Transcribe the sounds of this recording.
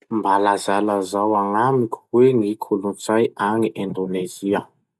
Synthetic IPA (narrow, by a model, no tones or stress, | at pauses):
mbalazalazawaŋamikʲu̥weŋikʰulunt͡sajaŋiʔẽnd̪oneziə